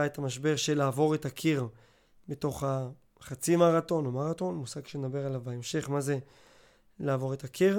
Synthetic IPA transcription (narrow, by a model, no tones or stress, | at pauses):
aetamaʃbe̞ʁʃelaːvo̞ʁetakʰiʁ | beto̞χa | χat͡simaʁato̞nomaʁato̞nmusaɡʃened̪abe̞ʁalavaemʃe̞χmaze̞ | laːvo̞ʁetakʰiʁ